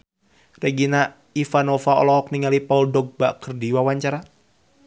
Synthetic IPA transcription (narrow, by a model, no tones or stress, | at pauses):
rɛɡina | ifanɔfaɔ̰lɔk̚niŋalipauldɔɡ̚bakərdiwawaɲt͡ʃaɾa